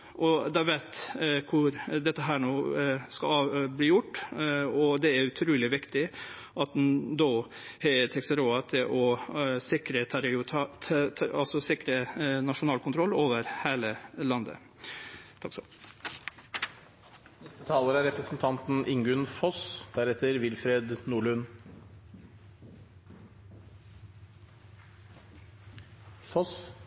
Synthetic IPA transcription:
ʔɔd̪ɑʋæɪt̪kʰʊɾd̪ɛt̪ːəɦæːɳoːskɑlɑbliːjʊʈːɔd̪ɛæɾʉt̪ʰɾuːlɪʋɪkt̪ɪ | ʔɑt̪̚d̪nd̪oːhet̪ʰɛksəɾoːɑt̪ʰɪlʔɔsɪkɾət̪ʰɑɾɪt̪ʰɑsɔsɪkɾənɑʂʊnɑːlkʰʊnt̪ɾɔlːoːʋəɾheːləlɑnd̪ə̰ | t̪ʰɑksɔ | nɛst̪ət̪ʰɑːləɾəæɾɛpɾəsn̩t̪ʰɑnt̪n̩ʔɪŋɡʉnfɔsd̪̥æɾɛt̪əɾʋɪlfɾeːd̪nuːɭʉn | fɔs

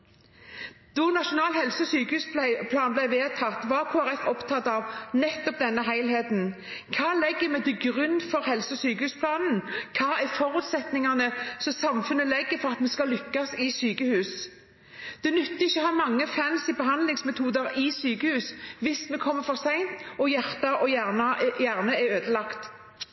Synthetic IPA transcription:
d̪̥ɔnɑʃʊnɑːlhɛlsəɔsyːkəhʉːspʰlɑːnblæɪʋeːt̪ʰɑt̪ʋɑɾkʰoːæɾɛfɔpt̪ʰɑt̪ːɑʋnɛt̪ːɔp̚d̪ɛnːəɦæɪlheːt̪n̩ | kʰɑːlɛɡːəmɛt̪ɪɡɾʉnːfɔɾhɛlsəɔsyːkəhʉːspʰlɑːnn̩kʰɑːæfɔɾʉːt̪sɛt̪nɪŋɑnəsɔsɑmfʉnːəlɛɡːəfɔɾɑt̪mɛskɑlːʏkːɑsɪsyːkəhʉːs | d̪̥ɛnʉt̪ːəɪçːəɔhɑɾmɑŋːəfænsɪbəɦɑnd̪lɪŋsmɛt̪ʰuːd̪əɾɪsyːkəhʉːsʋɪsmɛkʰɔmːəfɔɾsæɪnt̪ɔjæʁt̪ɑɔjæʁnɑjæʁnəæøːd̪əlɑkt̪

